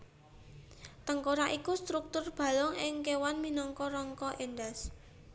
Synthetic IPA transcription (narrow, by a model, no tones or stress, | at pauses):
t̪əŋkoɾaʔikust̪ɾuk̚t̪ʊrb̥ä̤lɔŋɪŋkewanminɔŋkɔɾɔŋkɔʔenɖas